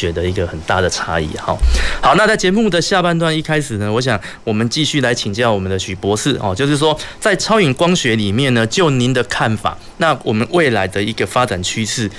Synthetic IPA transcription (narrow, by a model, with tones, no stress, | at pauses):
ɥɛ˧˥d̪ə˧˨i˧˥ɡə˨xə˨˩nt̪a˥˩d̪ə˩ʈ͡ʂʰa̰˥ḭ˥˨˩ɑ̰˨˩ʊhɑ˨˦ʊna˥˧t͡sa˥˩ɪt͡ɕjɛ˧˥mu˥˨d̪ə˨ɕja˥˧pa˥˧nt̪wa˥˧ni˥˩kʰa˥ɪʂɹ̩˨˩nə˦wɔ˧˦ɕ̬jɑ˨˩ŋ | wɔ˨˩mə˨˦nt͡ɕi˥˧ɕy˥˩la˧˦ɪt͡ɕʰi˨˩ŋt͡ɕjɑ˥˩ʊwɔ˨˩mə˨˦nd̪ə˧ɕy˨˩pwɔ˧˦sɹ̩˥˩xɑ̰˨˩t͡ɕjo˥˧ʊʂ̬ɻ̩˥˩ʂ̬wɔ˥t͡sa˥˩ɪt͡sʰɑ˥ʊi˨˩ŋkwɑ˥ŋɕɥɛ˧˥li˨˩mjɛ˥˩nnə˩t͡ɕjo˥˩ʊni˨˦nd̪ə˨kʰa˥˩nfa̰˨˩ | na˥˨wɔ˨˩mə˨˦nwe˥˩ɪla˧˦ɪd̪ə˧i˧˥ɡə˧fa˦t͡sa˨˩nt͡ɕʰy˥s̩ʰ˥˩